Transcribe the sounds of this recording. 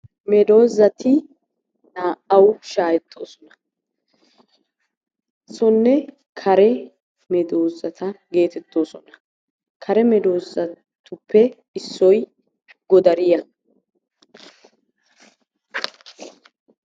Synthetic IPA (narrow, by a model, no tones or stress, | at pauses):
mɛd̪o̞ːzɐt̪ɪ | naːʔɐwʃaːjɛt̪ʰːo̞̰ːsɔnɐ | sɔnːɛ | kʰɐɾɛ | mɛd̪o̞ːzɐt̪ʰɐɡe̞ːt̪ɛt̪ːo̞ːsɔnɐ̥ | kʰɐɾɛmɛd̪o̞ːzɐ | t̪ʊpːɛ | ɪsːɔj | ɡɔd̪ɐɾɪjɐ